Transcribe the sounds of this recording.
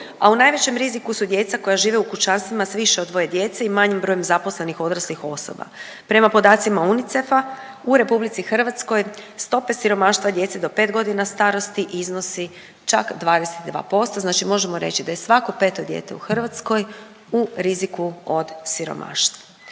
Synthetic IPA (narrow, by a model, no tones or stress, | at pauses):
aunaːjʋet͡ɕe̞mɾizikusud̪je̞ːt̪sako̞jaʒiːʋeukut͡ʃanst̪ʋimasʋiʃeod̪ʋo̞je̞d̪je̞ːt̪seimaɲimbɾo̞ːjemzapo̞sle̞nixo̞d̪ɾaslixo̞so̞̰ba̰ | pɾe̞mapo̞d̪aːt̪simaunit̪se̞fa | uɾe̞publit̪sixr̩ʋat̪sko̞jst̪o̞pe̞siɾo̞maːʃt̪ʋad̪je̞t̪sed̪o̞pe̞ːt̪ɡo̞d̪inast̪aːɾo̞st̪iʔizno̞si | t͡ʃakd̪ʋaːd̪eset̪d̪ʋa̰ːpo̞st̪oznaːt͡ʃimo̞ʒe̞mo̞ɾe̞t͡ɕid̪aje̞sʋako̞pe̞ːt̪o̞d̪jḛt̪e̞̰uxr̩ʋat̪sko̞j | uɾizikuod̪siɾo̰mʔa̰ːʃt̪va